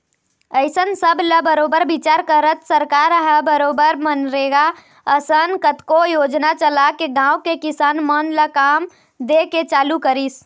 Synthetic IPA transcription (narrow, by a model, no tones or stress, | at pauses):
əɪsənsəbʱləbəɾoːbəɾbit͡ʃaːɾkəɾət̪səɾkaɾəɦəbəɾoːbəɾmənɾeːɡa | əsənkət̪kojoːd͡ʒnat͡ʃəlakeɡãːʊkekɪsaːnmənləkaːm | d̪eket͡ʃaːlukəɾis